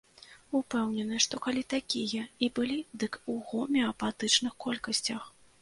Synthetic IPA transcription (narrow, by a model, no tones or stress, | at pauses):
upɛwnʲɛnɨʂt̪ɔkalʲit̪akʲijɐibɨlʲid̪ɨkuɣɔmʲɛɐpat̪ɨt͡ʂn̪ɨxkɔlʲkɐsʲt͡sʲɐx